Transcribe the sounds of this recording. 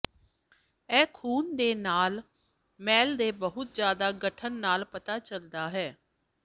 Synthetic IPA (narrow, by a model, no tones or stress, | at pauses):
ɛːkʰuːnd̪eːnaːl | mɛːld̪eːbəɦʊt̪̚zjaːd̪aːɡəʈʰənːaːlpət̪aːt͡ʃəld̪aːɦɛː